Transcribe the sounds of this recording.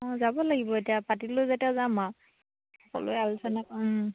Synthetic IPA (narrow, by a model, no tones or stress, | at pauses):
ɔzabɔlaɡibɔetijapatilojzetijazama | hxɔkɔ̰lo̰jalsana